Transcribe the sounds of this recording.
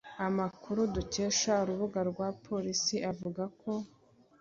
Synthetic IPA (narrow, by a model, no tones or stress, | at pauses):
amakʰuɾuduce̞ːʃauɾuβuɡaɾɡwaːpʰo̞ɾisiʔavuɡakʰo̞